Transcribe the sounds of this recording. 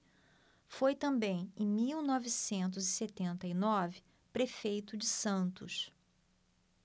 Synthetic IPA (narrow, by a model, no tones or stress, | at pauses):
fojt̪ɐ̃mbẽj̃ḛ̃j̃miwnɔvisẽnt̪̬ʊziset̪ẽnt̪ɐinɔvɪ | pɾefejt̪ʊd͡ʒɪsɐ̃nt̪ʊʃ